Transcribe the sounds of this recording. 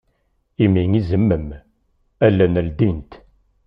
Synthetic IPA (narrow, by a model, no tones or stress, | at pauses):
imiŋizəmːəm | ælːænəld̪int̪